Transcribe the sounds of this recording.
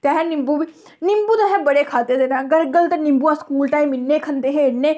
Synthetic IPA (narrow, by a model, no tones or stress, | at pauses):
t̪eaːɦɛːnɪmbubi | nɪmbuːd̪aːɦɛ̃ːbəɽeːkʰaːd̪eːd̪eːnaːɡəɾɡəlt̪eːnɪmbuːaːskuːlʈaːiːmɪnːeːkʰənd̪eːɦeːɽneː